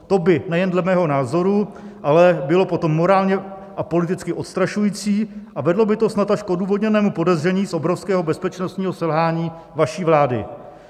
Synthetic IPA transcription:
t̪o̞bɪnɛjɛndlɛmɛːɦo̞naːzo̞ɾu | ʔalɛbɪlo̞po̞t̪o̞mːo̞ɾaːlɲɛ | ʔapo̞lɪt̪ɪt͡skɪʔo̞t̪st̪ɾaʃujiːt͡siːʔavɛdlo̞bɪt̪o̞snat̪aʃkʔoduːvo̞d̪ɲɛnɛːmupo̞dɛzr̝ɛɲiːsʔo̞bɾo̞fskɛːɦo̞bɛspɛt͡ʃnost̪ɲiːɦo̞sɛlɦaːɲiː | vaʃiːvlaːdɪ̰

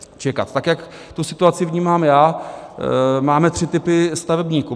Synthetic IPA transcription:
t͡ʃɛka̰t̪t̪akjak | t̪usɪt̪uat͡sɪvɲiːmaːmjaː | maːmɛt̪r̥ɪt̪ɪpɪst̪avɛbɲiːku

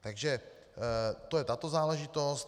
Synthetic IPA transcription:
t̪aɡʒɛ | t̪o̞jɛt̪at̪o̞zaːlɛʒɪt̪o̞st̪

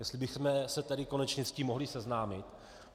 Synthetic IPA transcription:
jɛst̪lɪbɪxmɛsɛt̪ɛdɪkonɛt͡ʃɲɛsciːmːo̞ɦlɪsɛznaːmɪt̪

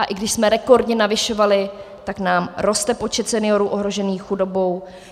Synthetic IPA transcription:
ʔaʔɪɡdɪʃsmɛɾɛko̞ɾdɲɛnavɪʃo̞valɪt̪aknaːmɾo̞st̪ɛpo̞t͡ʃɛt̪sɛnɪjo̞ɾuːʔo̞ɦɾo̞ʒɛniːxxudo̞bo̞w

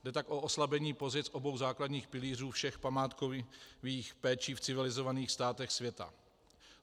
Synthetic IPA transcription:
dɛt̪akʔo̞ʔoslabɛɲiːpo̞zɪt͡sʔo̞bo̞wzaːkladɲiːxpɪliːr̝uːfʃɛxpamaːt̪koviːxpɛːt͡ʃiːft͡sɪvɪlɪzovaniːxst̪aːt̪ɛxsvjɛt̪a̰

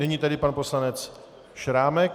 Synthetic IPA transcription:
nɛɲiːt̪adɪpanpo̞slanɛt͡s | ʃɾaːmɛk

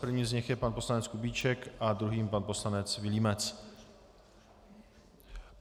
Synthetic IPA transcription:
pr̩vɲiːzɲɛxjɛpanposlanɛt͡skubiːt͡ʃɛkʔad̪ɾuɦiːmpanpo̞slanɛt͡svɪliːmɛt͡s

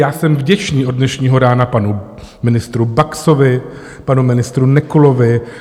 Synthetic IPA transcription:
jaːsɛmvɟɛt͡ʃniːʔo̞d̚nɛʃɲiːɦo̞ɾaːnapanu | mɪnɪst̪ɾubaksovɪ | panumɪnɪst̪ɾunɛkulo̞vɪ

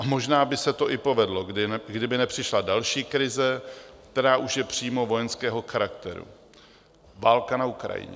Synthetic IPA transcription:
amo̞ʒnaːbɪsɛt̪o̞ʔɪpo̞vɛdlo̞ɡdɪnɡdɪbɪnɛpr̝̥ɪʃladalʃiːkɾɪzɛkt̪ɛɾaːʔuʃjɛpr̝̥iːmovo̞jɛnskɛːɦo̞xaɾakt̪ɛɾṵ | vaːlkanaukɾa̰jɪ̰ɲɛ̰

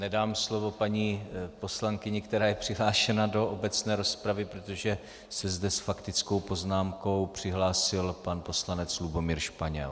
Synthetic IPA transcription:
nɛdaːmslo̞vo̞paɲiːpo̞slaŋkɪɲɛkt̪ɛɾaːjɛpr̝̥ɪɦlaːʃɛnado̞ʔobɛt͡snɛːɾo̞spɾavɪpɾot̪o̞ʒɛ | sɛzdɛsfakt̪ɪt͡sko̞wpo̞znaːmko̞wpr̝̥ɪɦlaːsɪlpanpo̞slanɛt͡slubo̞miːɾʃpaɲɛ̰l

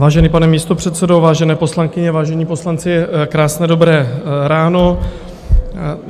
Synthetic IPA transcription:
vaːʒɛniːpanɛmiːst̪o̞pr̥ɛt̪sɛdovaːʒɛnɛːposlaŋkɪɲɛvaːʒɛɲiːpo̞slant͡sɪkɾaːsnɛːdobɾɛːɾaːno

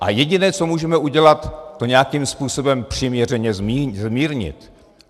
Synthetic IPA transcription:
ʔa̰jɛɟɪnɛːt͡so̞muːʒɛmɛʔuɟɛlat̪ːo̞ɲɛakimspuːso̞bɛmpr̝̥iːmɲɛr̝ɛɲɛzmiːzmiːɾɲɪ̰t̪

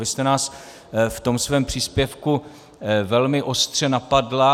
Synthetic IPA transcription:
ɪst̪ɛnaːs | ft̪o̞msvɛːmpr̝̥iːspjɛfku | vɛlmɪʔo̞st̪r̥ɛnapadla

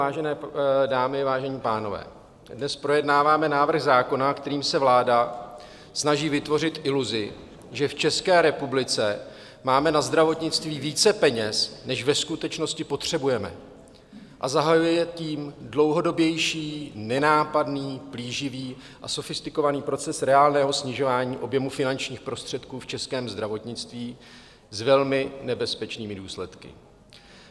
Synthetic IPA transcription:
aːʒɛnɛːdaːmɪvaːʒɛɲiːpaːno̞vɛ̰ː | dnɛspɾo̞jɛdnaːvaːmɛnaːvr̩ɣzaːko̞nakt̪ɛɾiːmsɛvlaːda | snaʒiːvɪt̪vo̞r̝ɪt̪ʔɪluzɪ | ʒɛft͡ʃɛskɛːɾɛpublɪt͡sɛ | maːmɛnazd̪ɾavo̞t̪ɲɪt͡st̪viːviːt͡sɛpɛɲɛsnɛʃvɛskut̪ɛt͡ʃno̞scɪpo̞t̪r̝̥ɛbujɛmɛ̰ | ʔazaɦajujɛjɛt̪iːmdlo̞wɦo̞do̞bjɛjʃiːnɛnaːpadniːpliːʒɪviː | ʔaso̞fɪst̪ɪko̞vaniːpɾo̞t͡sɛsɾɛaːlnɛːɦo̞sɲɪʒo̞vaːɲiːʔo̞bjɛmufɪnant͡ʃɲiːxpɾo̞st̪r̥ɛt̪kuːft͡ʃɛskɛːmzd̪ɾavo̞t̪ɲɪt͡st̪viː | zvɛlmɪnɛbɛspɛt͡ʃniːmɪduːslɛt̪kɪ̰

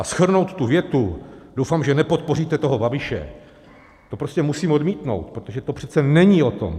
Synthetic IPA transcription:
ʔasxr̩no̞wt̪t̪ːuvjɛt̪udo̞wfaːmʒɛnɛpo̞t̪̚po̞riːt̪ɛt̪o̞ɦobabɪʃɛ̰ | t̪o̞pɾoscɛmusiːmodmiːt̪no̞̰wt̪̚pɾot̪o̞ʒɛt̪opr̥ɛt͡sɛnɛɲio̞t̪o̞̰m

